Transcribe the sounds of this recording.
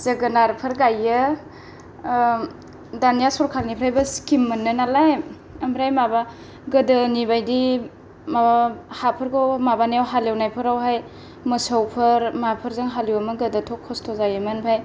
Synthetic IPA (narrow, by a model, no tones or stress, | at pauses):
z̥əɡənaɾpʰɯɾɡajːɯ | danijasɔɾkʰalnipʰɾajbɐskimːɯnːɯnalaj | ɐmɾajmaba | ɡədɯnibajdi | mabahapʰɯɾɡowmabanawɦalewnajpʰɯɾawɦaj | mɯsawpʰɐɾmapʰɯɾzɯŋɦaliwamɯɡədɯtʰɔkʰːɔstʰɔzajɯmɯnpʰaj